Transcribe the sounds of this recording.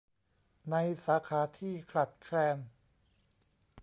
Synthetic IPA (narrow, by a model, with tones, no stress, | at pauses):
na˧jsaː˩˦kʰaː˩˦t̪ʰiː˥˩kʰɾa˨˩t̪̚kʰɾɛː˧n